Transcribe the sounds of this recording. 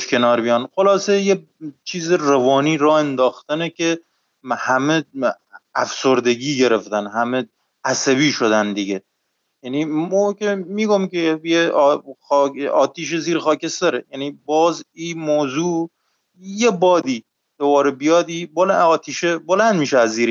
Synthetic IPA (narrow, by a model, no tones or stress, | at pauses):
ʃkʰenɒːɾbijɒːnxolɒːseje | t͡ʃʰiːzerevɒːniːɾɒːend̪ɒːxt̪ænekʰʲe | hæme | æfsoɾd̪eɡiːɡeɾeft̪ænhæme | æsæβiːʃod̪ænd̪iɡe | jænimokʲemiːɡomkejexɒːɒːt̪ʰiːʃ̬eziːɾxɒːkʰesd̪æɾejænibɒːziːmoːzuː | jebɒːd̪i | d̪̥obɒːɾebijɒːd̪iboɒːt̪ʰiːʃebolænd̪miːʃeæzːiːɾi